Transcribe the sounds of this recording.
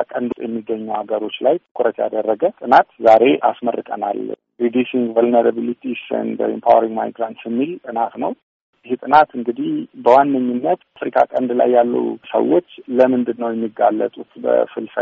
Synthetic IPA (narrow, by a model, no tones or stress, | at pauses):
kʼənd̪ut̪ʼjɛmːiɡːəɲːuwhaɡəɾo̞t͡ʃːlajt̪ʰɨkʼʊɾət̪ja̰d̪ərːəɡət̪ʼɨnat̪zaɾe̞ʔasmərːɨkʼəna̰l | ɾid̪usiŋɡvəlnəɾaβilit̪ʰisə̰nd̪̰ḭmpʰawəɾiŋɡma̰jɡɾant̪sjɛmːilt̪ʼɨnat̪nəw | jɪht̪ʼɨnat̪ɨŋɡɨd̪ihbəwanːəɲːunːət̪afɾikʰʼa̰kʼənd̪la̰jːalːṵwsə̰wo̞t͡ʃːləmɨnd̪ɨd̪nəwjɛmːiɡːalːə̰t̪ʼut̪bə̰fɨlsə